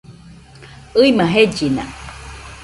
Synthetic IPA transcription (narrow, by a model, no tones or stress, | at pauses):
ɯimãɦed͡ʒina̰